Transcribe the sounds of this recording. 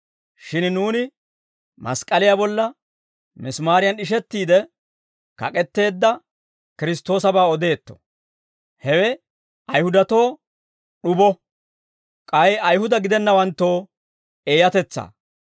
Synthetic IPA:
ʃɪnnuːnɪ | mɐ̰skʼːɐlɪjabɔlːɐ | mɪsmaːɾɪjɐnɪʃ̬ɛt̪ːiːd̪ɛ | kɐ̰kʼɛt̪ːe̞ːd̪ːɐ | kɪɾɪst̪ːo̞ːsɐbaːɔd̪e̞ːt̪ːɔ̥ | hɛwɛ | ɐjhʊd̪ɐt̪o̞ː | ɗʊbɔ | kʼɐjɐjɦʊd̪ɐɡɪd̪ɛnːɐwɐnt̪ːo̞ː | e̞ːjɐt̪ɛt͡sːa̰ː

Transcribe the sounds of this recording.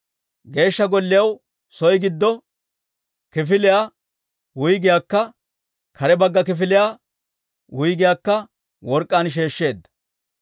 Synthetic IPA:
ɡe̞ːʃːɐɡɔlːɪjɐw | sɔjɡɪd̪ːɔ | kɪfɪlɪjaː | wʊjɡɪjaːkːɐ | kʰɐɾɛbɐɡːɐk̬ɪfɪlɪjaː | wʊjɡɪjaːkːɐ | wɔɾkʼːaːnʃ̬e̞ːʃːe̞ːd̪ːɐ̥

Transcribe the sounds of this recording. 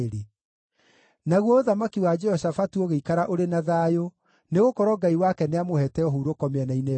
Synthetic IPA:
ɾe | naɣwɔoðamakiwad͡ʒɛhɔsafatuoɣeikaɾaʔoɾenaðaːjo | neɣokɔɾɔɡaiwakɛneamohɛtɛɔɦuːɾokɔmeɛnaine

